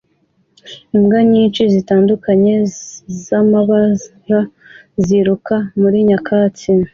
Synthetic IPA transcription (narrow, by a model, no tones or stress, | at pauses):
imɡaɲiːnt͡ʃizitaːndukʰaɲe̞zamaβa | ɾa | ziɾukamuɾiɲakaːt͡si